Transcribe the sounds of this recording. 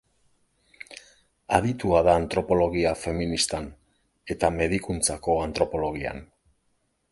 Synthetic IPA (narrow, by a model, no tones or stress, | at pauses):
aðit̪uaðaːnt̪ɾo̞po̞lo̞ɣiafe̞minist̪an | e̞t̪ame̞ðikunt͡sako̞ant̪ɾo̞po̞lo̞ɣ̞ia̰n